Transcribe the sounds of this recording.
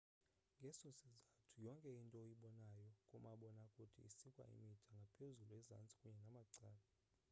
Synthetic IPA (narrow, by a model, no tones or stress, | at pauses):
ŋɡʱɛsɔsizatʰujɔŋkʼɛintʼɔjiɓɔnajɔkʼumaɓɔnakʼutʰḭisikʼwa̰ʔḭmitʼʰaŋɡʱapʰezulɛza̰nt͡sʼi̥kʼuɲɛnamaǀaːla